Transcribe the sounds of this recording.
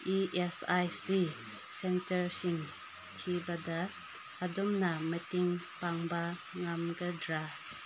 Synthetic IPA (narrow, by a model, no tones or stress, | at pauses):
iʔesajsi | sentɐɾsiŋ | tʰibɐdɐː | dɔmnɐmɐtiŋpaŋbɐŋamɡɐdɾa